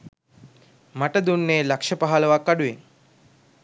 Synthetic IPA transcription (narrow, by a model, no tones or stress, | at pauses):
məʈəd̪unːelakʂəpəɦalʋakaɽue